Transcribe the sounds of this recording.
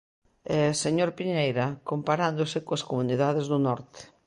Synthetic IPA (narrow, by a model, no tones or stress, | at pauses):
ɛseɲoɾpiɲejɾɐkompaɾand̪ʊsɪkoaskomuniðað̞ezðʊnɔɾt̪e̥